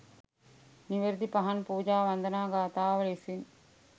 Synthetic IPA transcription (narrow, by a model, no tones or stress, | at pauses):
niʋɐɾd̪ipɐɦɐnpuːd͡ʒaːʋɐnd̪ɐnaːɡaːt̪aːʋɐɭesin